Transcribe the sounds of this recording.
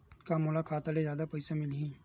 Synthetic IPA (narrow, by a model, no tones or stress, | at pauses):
kamʊːlakʰaːt̪alezjaːd̪apɐɪsemɪlɦĩː